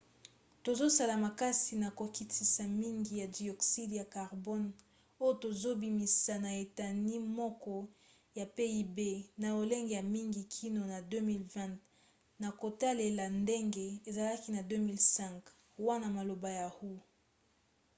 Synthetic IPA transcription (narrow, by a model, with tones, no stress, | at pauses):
to˨zo˦sa˨la˨ma˨ka˦si˨na˨ko˨ki˨ti˨sa˨mi˦ŋɡi˨ja˨di˨ɔ˨ksi˦dja˨ka˨ʁbɔ˦n | o˦jo˦to˨zo˦bi˨mi˨sa˨na˨e˨ta˨ni˦mɔ˦kɔ˦ | ja˨pe˦i˦be˦na˨o˨le˦ŋɡe˨ja˨mi˦ŋɡi˨kʰi˦no˨na˨dø˦mi˦lvɛ̃˦t | na˨ko˨ta˦le˨la˨nde˦ŋɡe˦e˨za˨la˦ki˦na˨dø˦mi˦lsɛ̃˦˨ŋk | wa˦na˨ma˨lo˨ba˨ja˨hu˦